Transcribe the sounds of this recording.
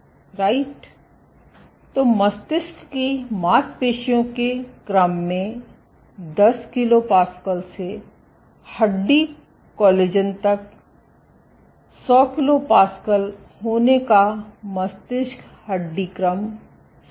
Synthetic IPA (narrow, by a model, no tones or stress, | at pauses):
ɾaːɪʈ | t̪omɐst̪ɪskkimaːt̪peːʃijõkekɾəmːẽ | d̪ɐskɪlopaːskəlse | hɐɖːi | kɔːleːd͡ʒənt̪ɐk̚ | sɔːkɪlopaːskəl | ɦoːnekamɐst̪ɪsk | hɐɖːikɾəm